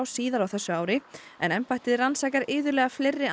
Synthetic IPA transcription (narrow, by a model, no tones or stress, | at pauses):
wsiːðaɾawθɛsːʏaːwɾɪɛ̰nɛmpajht̪ɪðɪɾansaːjkaɾɪːðʏɾlɛːɣaflɪrːɪ